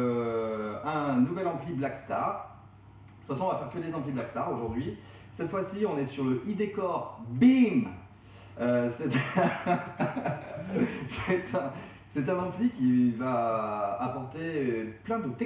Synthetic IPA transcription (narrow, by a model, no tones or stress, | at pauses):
ø | ɛ̃nuvɛlɑ̃pliblakst̪aʁ | t̪t̪t̪ut̪fasɔ̃ɔ̃vafɛʁkəd̪ezɑ̃pliblakst̪aʁoʒuʁd̪ɥi | sɛt̪fwasiɔ̃nɛsyʁləʔid̪ekɔʁbim | øsɛt̪ | sɛt̪ʰɛ̃ | sɛt̪ɛ̃nɑ̃plikʲivaː | pɔʁt̪eplɛ̃d̪ət̪ɛ